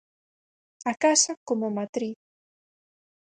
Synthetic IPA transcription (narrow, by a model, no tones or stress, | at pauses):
akasakomomat̪ɾi